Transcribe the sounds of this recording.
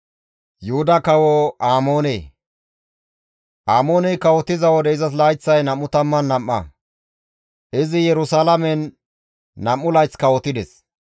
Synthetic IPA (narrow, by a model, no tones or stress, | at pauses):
jʊhʊd̪ɐkɐwɔaːmoːnḛː | ʔaːmo̞ːnɛjkɐwɔt̪ɪzɐwɔd̪ɛɪzɐs̬laːjt͡sːɐjnɐmːʊt̪ɐmːɐnːɐmːɐ̰ | ʔɪzɪjɛɾʊsalɐmɛnː | ɐmːʊlɐjt͡skɐwɔt̪ɪd̪ɛs